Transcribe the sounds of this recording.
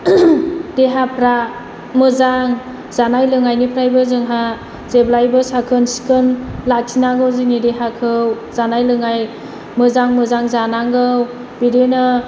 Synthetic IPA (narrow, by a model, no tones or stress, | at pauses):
deɦapʰɾa | mɯzaŋ | zanajlɯŋajnipʰɾajbɯzɯŋɦa | z̥eblajbɯsakʰɯnsi̥kʰɯnlak̚tʰinaŋɡɯwzɯnideɦakʰɯw | zanajlɯŋaj | mɯzaŋmɯzaŋzanaŋɡɯw | bidenɯ